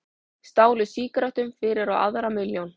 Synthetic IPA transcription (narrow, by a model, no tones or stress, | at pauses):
st̪aːwlʏsiːkɾaht̪ʏmfɪːɾɪɾawa̰ðɾamɪljown